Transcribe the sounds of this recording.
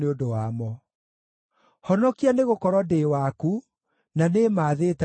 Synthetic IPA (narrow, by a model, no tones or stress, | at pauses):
eondowamɔ | hɔnɔkianeɣokɔɾwɔdeːwaku | nanemaːðeːta